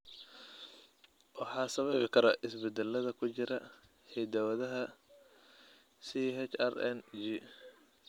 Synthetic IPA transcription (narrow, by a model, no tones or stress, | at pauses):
wɑħɑːsɐβɛβɪkʰɐɾɐʔɪsbɛd̪ɛlːɐðɐkʰʊt͡ʃɪɾɐ | hɛd̪ɐwɐðɐɦɐ | siɦɛt͡ʃɐ̰rɛ̰nd͡ʒi